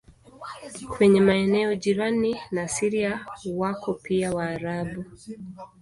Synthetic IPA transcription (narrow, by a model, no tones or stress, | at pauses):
kwɛɲɛmaɛnɛɔd͡ʒiɾaninasiɾiawakɔpiawaːɾaɓu